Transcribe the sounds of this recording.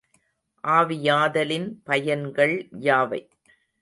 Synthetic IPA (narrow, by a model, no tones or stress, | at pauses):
ʔaːʋɪjaːðɐlɪnpɐjɐnɡɐɭjaːʋɐ̰ɪ